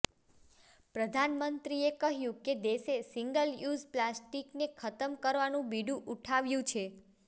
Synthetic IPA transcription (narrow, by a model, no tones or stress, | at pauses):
pɾəd̪ʱanmənt̪ɾiekəɦjũked̪eʃesiŋɡəljuzplasʈiknekʰət̪əmkəɾʋanũbiɖũʔuʈʰaʋjũt͡ʃʰe